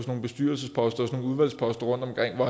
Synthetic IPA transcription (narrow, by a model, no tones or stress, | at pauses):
sno̝ːn̩b̥e̝sd̥y̰ɐl̩səspʰɒ̽sd̥ɐɒsno̝ːn̩uðˠʋæl̰spʰɒ̽sd̥ɐʁɔ̽n̰d̥ɒ̽mkʰʁeŋ̰ʋɒæ